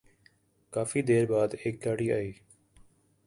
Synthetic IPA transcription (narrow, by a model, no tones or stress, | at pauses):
kaːfiːd̪eːɾbaːd̪eːk̚ɡaːɽiːaːiː